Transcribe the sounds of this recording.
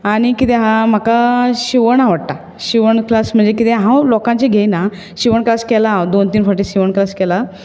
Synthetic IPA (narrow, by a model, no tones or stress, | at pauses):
aɽ̃ikit̪eɦãm̤akaɕiʋəɳaʋəɽt̪a | ɕiʋəɳklasm̤əɳd͡zekit̪ɛɦãwlɔkãɲt͡ɕeɡʱejna | ɕiʋəɳklaskɛlad̪ont̪iːnfəɾʈiɕiʋəɳklaskɛla